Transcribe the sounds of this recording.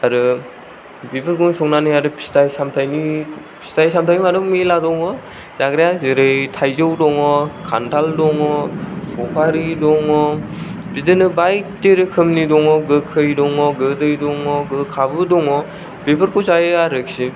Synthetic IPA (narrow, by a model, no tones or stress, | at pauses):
aɾɯ | bepʰɯɾkɔŋsɔŋnanijaɾɯpʰi̥stajsamtʰajni | pʰi̥stajsamtʰajimaɾɯŋmeladɔŋɔ | z̥aɡɾejazɯɾɯjtʰajzɯwdɔŋɔkʰantʰaldɔŋɔsɔpʰaɾidɔŋɔbidɯnɯbajteɾɯkʰɯmnidɔŋɔɡɯkʰɯjdɔŋɔɡɯdɯjdɔŋɔɡɯkʰabɯdɔŋɔ | bepʰɯɾkʰuzajɯaɾɯksi